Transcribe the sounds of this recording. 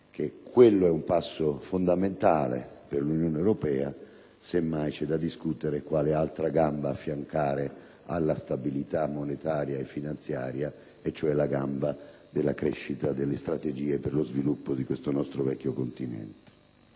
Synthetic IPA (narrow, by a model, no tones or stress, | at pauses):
k̟ekʰːwelːoɛumpasːofond̪ament̪aːlḛperlunjoːneewɾopɛːa | semːajt͡ʃɛd̪ad̪iskut̪eɾekwaːlealt̪ɾaɡambaːfːjaŋkaːɾe | alːast̪abilit̪amːonet̪aːɾjaefːinant̪sjaːɾja | et͡ʃːoɛlaɡamba | d̪elːakɾɛ̰ʃːit̪ad̪elːest̪ɾat̪ed͡ʒiːeperlozvilupːod̪ikwest̪onɔst̪ɾovɛkʲːjokont̪inɛ̰nt̪e̥